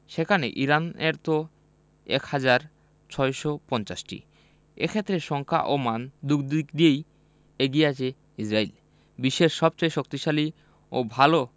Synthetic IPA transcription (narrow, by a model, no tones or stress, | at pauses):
ʃekʰanḛʔiɾaneɾt̪o | ɛ̰khad͡ʑaɾ | t͡ɕʰɔeʃopɔnt͡ɕasʈḭ | ḛkʰet̪ːɾeʃɔŋkʰa̰ʔomand̪ukd̪ikd̪iej | eɡieat͡ɕʰe | isɾail | biʃːeʃʃɔb̚t͡ɕajʃok̚t̪iʃali | obʱalo